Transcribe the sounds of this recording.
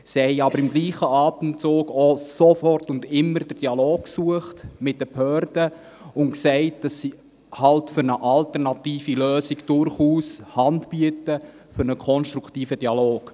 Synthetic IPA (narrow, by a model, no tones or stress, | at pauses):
sihɛɪɑbəɾɪmɡliːχəʔɑːtənt͡soːɡɔsofɔrtʊndɪmːəɾd̥əd̥iɑloːkksuəχtmɪt̚d̥əphøːrdə | ʊntksɛɪt̚d̥ɑsːi | hɑltfʏɾnəʔɑltəɾnɑtiːfiløːsiɡd̥ʊɾχuːshɑndb̥iətə | fʏɾnəkʰɔnʃtɾukʰtiːfəd̥iɑloːɡ̥